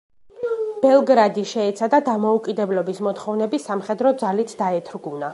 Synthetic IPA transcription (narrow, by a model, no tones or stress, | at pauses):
b̥ɛlˠɡɾad̪iʃɛɛt̪sʰad̪ad̪amɔukʼid̪ɛblɔbismɔt̪ʰχɔvnɛbisamχɛd̪ɾɔd̪zalit̪ʰd̪aɛt̪ʰɾɡuna